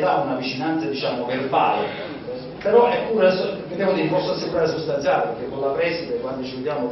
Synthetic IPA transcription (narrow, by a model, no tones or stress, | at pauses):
d̪aunavit͡ʃinant̪sad̪it͡ʃaːmoverba̰ːle | peɾɔʔɛpːuːɾsked̪ɛːvod̪ifɔsːasːeɡuɾaɾes̬ust̪ant̪jaːlepeɾk̟ːekːolapɾɛsit̪ekwand̪ot͡ʃived̪jaːmo